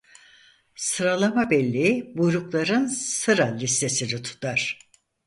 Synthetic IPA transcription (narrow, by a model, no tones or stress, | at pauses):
sɯɾalˠamabɛlʲːiibujɾuklˠaɾɯnsɯɾalʲist̪ʰe̞sinit̪ʰu̥t̪ʰaɾ̥